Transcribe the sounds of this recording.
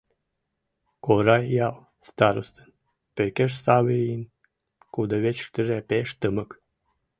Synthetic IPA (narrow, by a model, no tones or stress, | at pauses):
koɾɑjjɑw | st̪ɑɾost̪ən | pøkʲeʃsɑβəin | kud̪əβet͡ɕʃt̪əʒepeʃt̪əmə̆k